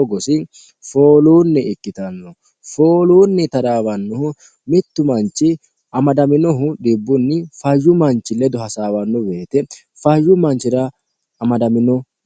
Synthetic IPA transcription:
ɔɡɔsɪ | foːluːnːɛɪkːɪt̪ɐnːɔ | fo̞ːluːnːɛt̪ɐɾaːwɐnːɔhʊ | mɪt̪ːʊmɐnt͡ʃːɪ | ɐmɐd̪ɐmɪnɔɦʊɗɪbːʊnːɪfɐjːʊmɐnt͡ʃːɪlːɛd̪ɔɦɐsaːwɐnːɔbeːt̪ɛ | fɐjːʊmɐnt͡ʃːɪɾɐ | ɐmɐd̪ɐmɪnɔ

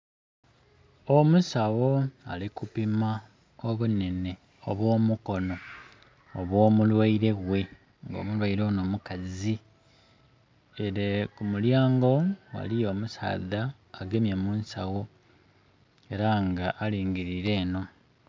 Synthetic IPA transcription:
omusawo̞a̰likupima | oβune̞ne̞ | oβwo̞ːmuko̞no̞ː | βwo̞ːmulwaiɾe̞ɣwe̞ | ŋɡo̞̰ːmulwaiɾono̞ːmukazi | eɾekumuljaːŋɡo̞wa̰lijo̞ːmusa̰ːðaː | ɡemjemuːnsawo̞ | e̞ɾaŋɡaʔːliːŋɡiɾiɾe̞ːno̞

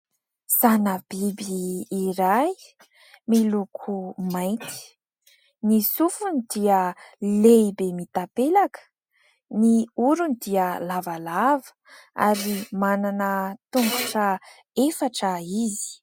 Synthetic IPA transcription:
z̥anəb̥ibiːɾaj | milukʰumajnt̪i̥ | nisufunid̪iəleibemit̪apelakə̥ | niuɾunid̪iəlavalavə̥ | a̰ɾimananət̪uŋɡuʈ͡ʂə | efaʈ͡ʂəizi̥

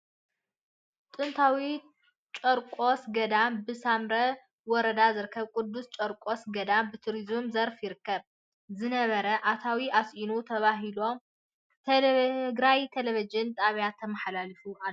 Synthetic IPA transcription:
t̪ʼɨnt̪ʰawi | t͡ʃʼɐɾkʼosɡɐd̪ambɨsamɾɐ | wɔɾɐd̪azɨɾɨkʰːɐβkʼʊd̪ːust͡ʃʼɐɾkʼo̞sɡɐd̪ambɨt̪ʰuɾizumzɐɾfjɪɾɨkːɐβ | zɨnɐβɐɾɐʔat̪ʰawiasʔinut̪ʰɐβaɦilo̞ | t̪ʰɡɾajt̪ʰeleβid͡ʒɨnt̪ʼaβjat̪ʰːɐmɐħlalɨfuʔalːo

